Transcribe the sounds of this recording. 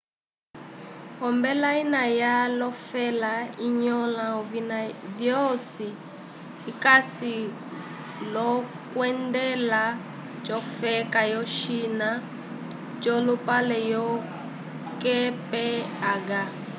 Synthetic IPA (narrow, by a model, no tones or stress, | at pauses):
ɔmbɛlainajalɔfɛlaiɲɔlaɔvinavjɔsiː | kasi | lɔ | kwɛndɛla | t͡ʃɔfɛkajɔʃina | t͡ʃɔlupalɛjɔ | kɛpɛaɡa